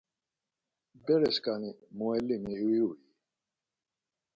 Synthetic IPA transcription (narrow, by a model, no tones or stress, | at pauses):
bɛɾɛskanimuɛlːimiwiuji